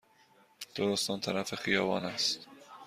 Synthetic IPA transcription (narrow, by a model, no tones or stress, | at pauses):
d̪̥oɾost̪ɒːnt̪ʰæɾæfe̞xijɒːvɒ̰ːnæst̪